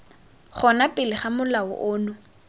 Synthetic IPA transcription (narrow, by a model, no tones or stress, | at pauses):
χɔnapʼɪlɪχamʊlaʊ̰ʔʊːnʊ